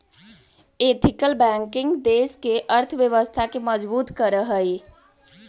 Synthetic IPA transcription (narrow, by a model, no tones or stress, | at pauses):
eːt̪ʰɪkəlbɛ̃ːŋkɪ̃ŋɡd̪eːskeʔəɾt̪ʰʋjəʋəst̪ʰakeməd͡ʒbuːt̪kəɾəɦəi